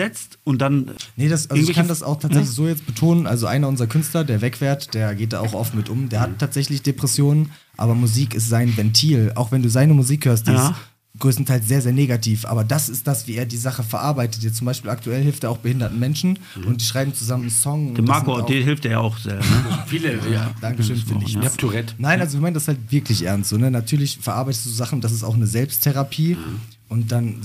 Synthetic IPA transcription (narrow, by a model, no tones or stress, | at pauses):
ɛt͡stʊnt̚d̥annədasʔalzoɪkʰandasa̰ʊxtʰaːtzɛç̬lɪçz̥oːjɛt͡stb̥ətʰoːnənʔa̰lzoʔa̰ɪnɐʊnzʁɐkʰʏnstlɐdeːɐvɛkv̥ɛːɐtd̥eːɐɡeːt̚d̥a̰ːaʊxʔɔfnmɪtʔʊmd̥eːɐhatʰːaːtz̥ɛçlɪçd̥epʁ̥ɛsjoːnən | ʔa̰ːbɐmuziːkɪs̬tz̥aɪnvɛntʰiːlʔa̰ʊxv̥ɛnduːzaɪnəmuziːkhøːɐst̚d̥iːɪs | ɡ̥ʁøːstn̩tʰaɪls̬z̥eːɐzeːɐneːɡatʰiːfʔa̰ːbɐdasɪst̚d̥asv̥iːeːɐdiːzaχəfɛɐʔaɐbaɪtət̬jɛt͡sʊmbaɪʃpiːlaktʰuɛlhɪlftd̥aːaʊxb̥əhɪndɐtn̩mɛnʃn̩ | ʔʊnt̚d̥iːʃʁaɪbm̩t͡suzamənnsɔŋʊndmakoiɦɪlfteːɐja̰a̰ʊxz̥ɛ̰lfilɛa̰d̥aŋkəʃøːnfyːɐdɪçatʰuʁɛtnaɪnʔalzoviɐmandashaltv̥ɪɐkʰlɪçʔɛ̰ɐnstz̥oːnənatʰyːɐlɪçfɛɐʔa̰ɐbaɪtə̥stːduzoːzaχn̩ʊnd̥as̬ɪstaʊxnəzɛlpstʰːeʁapʰiː | ʔʊntd̥an